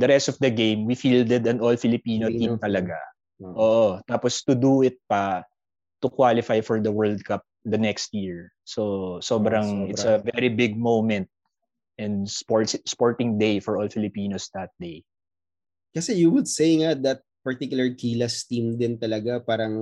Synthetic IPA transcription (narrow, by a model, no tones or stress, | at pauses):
d̪ɐɾɛst̪ɔvd̪ɐɡẽjmwifiːld̪ɛd̪ɐ̃nɔlfɪlɪpiːnoĩmt̪ɐlɐɡa | ʔoːʔot̪aːpɔst̪ʊd̪uɪt̪̚pɐ | t̪ʊkwalɪfajfɔɹd̪ɐwɜɹld̪̚kap̚d̪ɐnɛkst̪̚jiɹ | sosobɾɐŋɪsɐvɛɾibɪɡ̚mowmɛ̃nt̪̚ | ʔɛ̃nd̪spoɹspɔɹt̪ɪ̃ŋd̪ejfɔɹʔɔlfɪlɪpiːnosd̪ɐt̪̚d̪ej | kɐsɛjuwʊd̪sejŋad̪ɐt̪̚pɐɹt̪ikjʊlˠɐɹkiːlɐst̪ĩmd̪ɪnt̪ɐlɐɡapaːɾɐŋ